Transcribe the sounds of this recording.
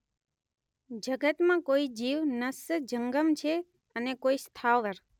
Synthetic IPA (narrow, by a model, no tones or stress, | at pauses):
d͡ʒəɡət̪mãkoid͡ʒiʋnəsd͡ʒəŋɡəmt͡ʃʰe | ənekoist̪ʰaʋəɾ